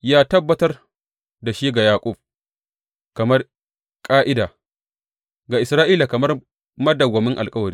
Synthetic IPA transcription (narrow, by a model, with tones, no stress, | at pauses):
jaː˦tɐ˦bːɐ˨tɐ˦r | da˨ʃiː˦ɡa˨jaː˨kʷʼʊ˦˨b̚ | kɐ˨mɐ˦r | kʼaː˦ʔɪ˦daː˨ | ɡa˨ʔɪ˨sɾaː˦ʔiː˦laː˨kɐ˨mɐ˦r | mɐ˦dɐ˨ɡʷɐ˨mɪ˦ŋʔa˨lkʼɐ˦wɐ˨ɽiː˦